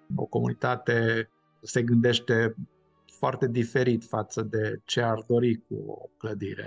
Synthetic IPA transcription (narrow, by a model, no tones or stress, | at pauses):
o̰ko̞munit̪at̪e̞ | se̞ɡɨnd̪e̞ʃt̪e̞ | foart̪e̞d̪ife̞ɾit̪fat̪səd̪e̞t͡ʃe̞ard̪o̞ɾik̚ṵo̰kləd̪ḭɾḛ